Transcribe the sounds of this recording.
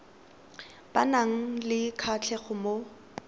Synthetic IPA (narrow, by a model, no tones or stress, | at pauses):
b̥anaŋ̩lɪkʰat͡ɬʰɛχʊmo